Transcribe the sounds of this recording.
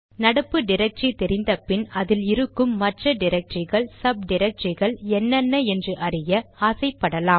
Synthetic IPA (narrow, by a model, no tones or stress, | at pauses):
nɐɽɐpːɯɖɪɾɐk̚ʈt͡ʃit̪ɛɾɪnd̪ɐpːɪnɐðɪlɪɾɯkːɯmːɐʈrɐɖɪɾɐk̚ʈrɪɣɐɭsɐb̚ɖɪɾɐk̚ʈt͡ʃɪɣɐɭɛnːɐnːɐɛndrɯʔɐrɪjɐaːsɐɪpːɐɽɐlaːm